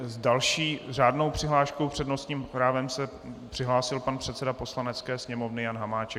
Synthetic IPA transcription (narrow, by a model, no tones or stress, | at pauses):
zdalʃiːr̝aːdno̞wpr̥ɪɦlaːʃkowpr̝̥ɛdno̞st̪ɲiːmpɾaːvɛmsɛ | pr̥ɪɦlaːsɪlpanpr̥ɛt̪t͡sɛdapo̞slanɛt͡skɛːsɲɛmo̞vnɪjanɦamaːt͡ʃɛ